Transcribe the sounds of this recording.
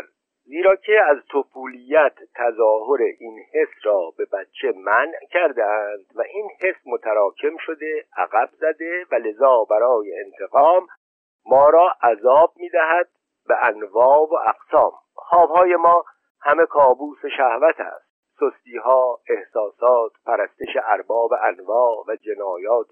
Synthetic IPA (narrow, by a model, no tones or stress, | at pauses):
ziːɾɒːcʰe̞æzt̪ʰofuːlijæt̪ʰːæzɒːɦoɾeʔinhe̞srɒːbe̞bætt͡ʃʰːe̞mæncʰæɾd̪eænd̪̥væʔiːnhe̞smot̪ʰæɾɒːcʰe̞mʃo̞d̪e̞ʔæ̰ɣæbzæd̪e̞væle̞zɒːbæɾɒːjeent̪ʰe̞ɣɒːmː | ɒːɾɒːʔæzɒːb̚miːd̪æɦæd̪̚ | beʔænvɒːvoʔæqsɒːm | xɒːb̥hɒːje̞mɒː | hæme̞kʰɒːbuːseʃæhvæt̪ʰæ̰st̪sost̪iːɦɒːe̞hsɒːsɒːt̪pʰæɾæst̪eʃeʔæɾbɒːbeʔænvɒːvæd͡ʒe̞nɒːjɒːt̪̚ʰ